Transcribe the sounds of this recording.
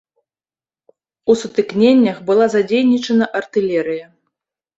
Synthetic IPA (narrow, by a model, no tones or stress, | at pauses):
usut̪ɨknʲenʲːɐxbɨlˠazad͡zʲejnʲit͡ʂɐnɐʔɐrt̪ɨlʲɛɾɨjɐ